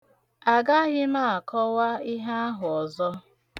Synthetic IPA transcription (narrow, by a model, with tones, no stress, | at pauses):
a˨ɡa˦ɣɪ˦ma˦˨a˨kɔ˦wa˦ɪ˦ɦa˦a˦ɦʊ˨ɔ˨zɔ˦